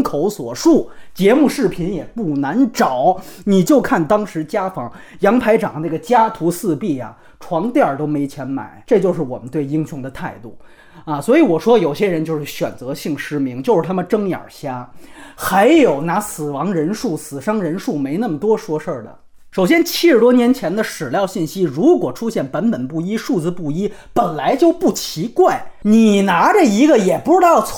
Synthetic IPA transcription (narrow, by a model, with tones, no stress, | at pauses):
kʰo˧˥ʊswɔ̰˨˩ʂu˥˩t͡ɕjɛ˧˥mu˥˧ʂɻ̩˥˩pʰi˧˥njɛ˨˩pu˥˩na˧˥nʈ͡ʂɑ˨˩˦ʊni˨˩t͡ɕjo˥˧ʊkʰa˥˩nt̪ɑ˥ŋʂɻ̩˧˥t͡ɕja˥fɑ˧˥ŋ | jɑ˧˥ŋpʰa˧˥ɪʈ͡ʂɑ˨˩ŋna˥˩ɡə˩t͡ɕja˥t̪ʰu˧˥sɹ̩˥˧pi˥˩ja̰˩ | ʈ͡ʂʰwɑ˧˥ŋt̪jɑ˥˩t̪o˥ʊme˧˥ɪt͡ɕʰjɛ˧˥nma̰˨˩˦ɪʈ͡ʂɤ˥˧t͡ɕjo˥˧ʊʂɻ̩˥˩wɔ˨˩mə˦nt̪we˥˩ɪi˥ŋɕʊ˧˥ŋd̪ə˧t̪ʰa˥˧ɪt̪u˥˩ | a˥˧swɔ˧˥i˧˥wɔ˨˩ʂwɔ˥jo˨˩ʊɕjɛ˥ɻə˧˥nt͡ɕjo˥˧ʂɻ̩˥˩ɕɥɛ̰˨˩nt͡sɤ˧˥ɕi˥˩ŋʂɻ̩˥mi˧˥ŋt͡ɕjo˥˧ʊʂɻ̩˥˩t̪ʰa˥mə˨nʈ͡ʂɤ˥ŋjɑ̰˨˩ɕja˥xa˧˥ɪjo˨˩ʊna˧˥sɹ̩˨˩wɑ˧˥ŋɻə˧˥nʂu˥˩sɹ̩˨˩ʂɑ˥ŋɻə˧˥nʂu˥˩me˧˥ɪna˥˩mə˩t̪wɔ˥ʂwɔ˥ʂə˥˩d̪ə̰˩ | ʂo˨˩ʊɕjɛ˥nt͡ɕʰi˥ʂɻ̩˥˩t̪wɔ˥njɛ˧˥nt͡ɕʰjɛ˧˥nd̪ə˧ʂɻ̩˨˩ljɑ˥˧ʊɕi˥˩nɕi˥ɻu˧˥kwɔ˨˩ʈ͡ʂʰu˥ɕjɛ˥˩npə˧˥npə˨˩npu˥˩i˥ʂu˥˩t͡sɹ̩˧pu˥˩i˥pə˨˩nla˧˥ɪt͡ɕjo˥˧ʊpu˥˩t͡ɕʰi˧˥kwa˥˩ɪni˨˩na˧˥ʈ͡ʂə˧i˧˥ɡə˧jɛ˨˩pu˧˥ʈ͡ʂɻ̩˥t̪ɑ˥˩ʊt͡sʰ